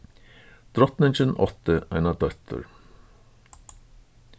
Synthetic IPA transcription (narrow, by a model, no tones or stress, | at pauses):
d̪̥ɾɔt̪nənt͡ʃənʔɔ̰t̪əæɪnɑd̪œt̪ʰə̰ɾ